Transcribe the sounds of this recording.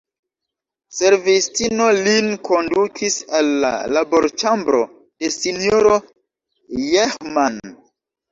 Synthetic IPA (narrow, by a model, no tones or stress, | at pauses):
se̞ɾvistino̞linkʰo̞ndukʰisalːa̰labo̞̰ɾt͡ʃambɾo̞ | de̞sinioɾo̞ | jehman